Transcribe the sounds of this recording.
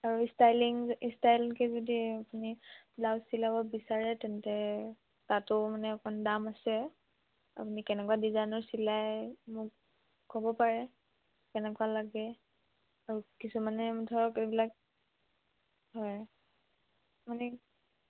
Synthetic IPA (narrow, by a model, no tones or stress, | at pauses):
aɹuistajliŋistajlikɛzodiapunilawsilabɔbisaɹɛtɛntɛ | tatʊmanɛɔkʰɔndamasɛ | a̰punikɛnɛkwadizajnɔɹsilajmʊk | kɔbɔpaɹɛ | kɛnɛkwalaɡɛ | aɹukisumanɛmutʰɔɹɔkebilak̚ | ɦɔj | manɛ